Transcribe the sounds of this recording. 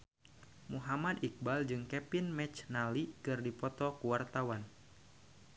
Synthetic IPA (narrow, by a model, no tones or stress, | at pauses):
muɦamadik̚bald͡ʒɨŋkɛpinmɛt͡ʃnalikɨrdipɔt̪ɔkuwart̪awan